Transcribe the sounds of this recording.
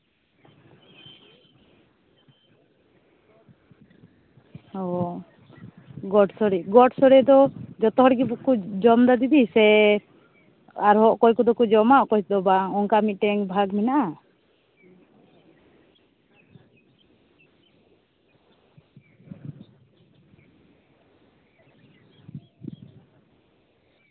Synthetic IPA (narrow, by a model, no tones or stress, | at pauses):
ɔ | ɡɔʈsɔɽɛɡɔʈsɔɽɛd̪ɔd͡ʒɔt̪ɔɦɔɽɡibukud͡ʒɔmd̪ad̪id̪isɛ | aɾɦɔʔkɔjkɔd̪ɔkɔd͡ʒɔmaʔkɔjd̪ɔbaŋɔŋkamit̪̚ʈɛŋbʱaɡminaʔa